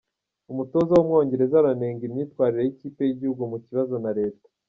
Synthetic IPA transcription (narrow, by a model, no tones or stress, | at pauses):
umuto̞ːzawomŋo̞ːɲɟe̞ɾe̞zaɾane̞ːŋɡimɲiːtwaːɾiɾe̞jiciːpe̞jiɟihuɡumuciβazo̞naɾe̞ːtḁ